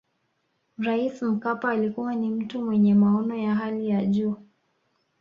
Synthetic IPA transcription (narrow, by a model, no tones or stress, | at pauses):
ɾaism̩kapaːlikuwanim̩tumwɛɲɛmaɔnɔjaɦalijaʄuː